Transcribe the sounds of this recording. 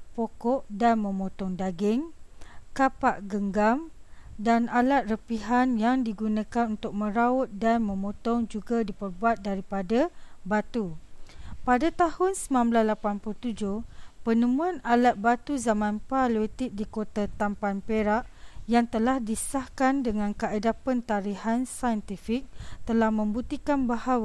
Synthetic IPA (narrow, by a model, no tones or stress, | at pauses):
pokɔʔdanmə̃mõt̪ɔŋdaɡɪŋkapaʔɡəŋɡamdanalat̪̚rəpiɦanjaŋdiɡunãkanunt̪ʊk̚mə̃ɾaʊt̪̚danmə̃mõt̪ɔŋd͡ʒuɡadipərbuat̪̚daɾipadabat̪u | padat̪ahʊnsəmãmblaslapanput̪ud͡ʒʊhpənəmũãnalat̪̚bat̪uzamãnpalet̪ɪk̚dikot̪at̪ampanpeɾaʔjaŋt̪əlahdisahkandəŋãnkaʔadapənt̪aɾihansajənt̪ifik̚t̪əlahmə̃mbut̪ikanbahawa